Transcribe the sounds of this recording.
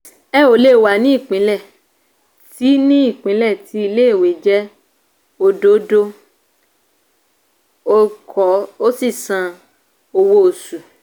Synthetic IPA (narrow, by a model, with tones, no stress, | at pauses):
ɛ˦o˨˦le˦˨wa˨nĩ˦i˦˨k͡pĩ˨˦lɛ˦˨ | ti˨˦nĩ˦i˦˨k͡pĩ˨˦lɛ˦˨tʰi˧˦i˧le˦e˦˨we˨d͡ʒɛ˦ | o˧do˦do˦ | o˧kʰɔ˨˦o˦si˦˨sã˧ | o˧wo˦o˨su˨